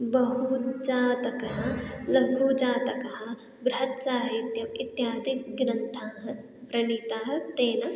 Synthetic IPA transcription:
bɐɦud͡ʒaːt̪ɐkɐɦɐlɐɡʱuːd͡ʒaːt̪ɐkɐɦɐ̆ | bɾɐɦɐt̪saːɦit̪jɐmit̪jaːd̪ikɡɾɐnt̪ʰaːɦɐ | pɾɐniːt̪aːɦɐt̪eːnɐ

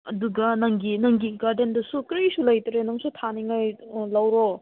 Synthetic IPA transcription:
ɐduɡɐnɐŋɡinɐŋɡiɡaɾdendɐsukɾisulɐjtɐɾenɐŋsutʰaniŋajlɐwɾo

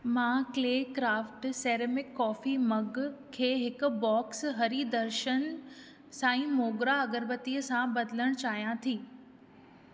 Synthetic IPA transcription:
mãːkleːkɾaːfʈseːɾemɪkːɔːfimɐɡkʰeːɦɪkʊ̆bɔːksɦɐɾid̪ɐɾʃən | sãːĩmoːɡɾaɐɡəɾbət̪iːəsãbɐd̪ɪləɽ̃t͡ɕaːɦijãt̪ʰiː

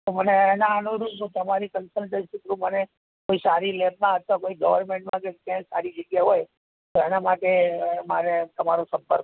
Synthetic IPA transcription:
t̪oməneːnaənuɾut̪əmaɾikənsəlʈə̃nsikɾũməne | koisaɾilet̪nãɦət̪ːakoiɡəʋəɾmeɳʈmãkekjãksa̰ɾid͡ʒəɡjaɦoj | t̪oenamaʈemaɾet̪əmaɾosə̃mpəɾk

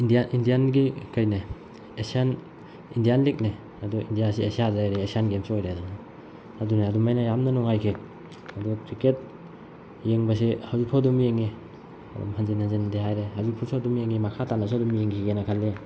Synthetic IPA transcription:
indianʔindianɡikajne | esian | indijanlek̚ne | adɔḭndijasiesiadajɾeesianɡemsiojɾeaduna | aduneadumajnajamnɐnɔŋajkʰe | ɐdɔkɾiket̚ | jeŋbas̬ihawzupʰadumijeŋe | ɐ̰dṵmhanzenanzendeɦajɾehawzupʰuɾsʰadumijeŋemakʰatanasadumijeŋkʰiɡenakʰalːe

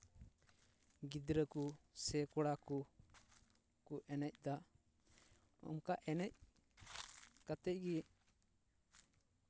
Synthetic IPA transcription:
ɡid̪ɾəkusɛkɔɽakɔ | kɔʔɛnɛc̚ˀd̪a | ɔ̰mkaʔɛnɛc̚ | kat̪ɛc̚ˀɡi

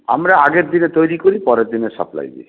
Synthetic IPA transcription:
a̰mɾaaɡeɾd̪inet̪ojɾikoɾipɔɾeɾd̪ineɾʃa̰pla̰jd̪ḭ

